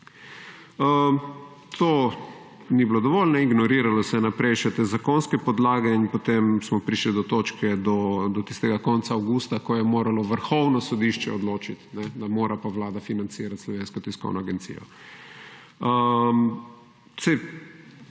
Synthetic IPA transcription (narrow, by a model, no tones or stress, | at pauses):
ə | t̪ʰo | niblod̪ɔʋɔlnɛiɡnɔɾiːɾalɔsɛnapɾɛjʃɛt̪ezakonskɛpɔd̪laːɡɛinpot̪emsmɔpɾiʃlid̪ɔt̪oːt͡ʃkɛd̪ɔd̪ɔt̪i̥st̪ɛɡakɔnt̪saːwɡuːst̪akɔjɛmoːɾalɔʋəɾxɔwnɔsɔd̪iʃt͡ʃɛ̰ɔd̪loːt͡ʃit̪nɛd̪amoːɾʔapaʋlaːd̪afinant̪siːɾat̪slɔʋeːnskɔt̪iskɔ̰wnɔaɡɛnt̪sḭjɔ̰ | əm | se